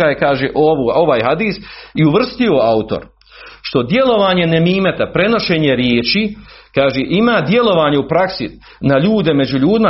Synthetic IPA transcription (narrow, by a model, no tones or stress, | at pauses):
ajekaːʒeʔoʋuo̞ʋaːjhad̪iːsiuʋr̩st̪io̞aut̪o̰ɾ | ʃt̪o̞d̪je̞lo̞ʋaːɲe̞nemiːmet̪apɾe̞no̞ʃe̞ːɲe̞ɾjeːt͡ʃikaːʒeːʔimaːd̪je̞lo̞ʋaːɲeupɾaksi | naʎuːd̪e̞me̞d͡ʑuʎuːd̪ima